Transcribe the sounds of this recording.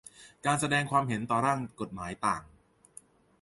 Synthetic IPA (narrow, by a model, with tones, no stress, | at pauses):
kaː˧nsa˧dɛː˧ŋkʰwaː˧mɦe˩˦nt̪ɔː˨˩ɾaː˥˩ŋko˨˩t̪̚maː˩˦jt̪aː˨˩ŋ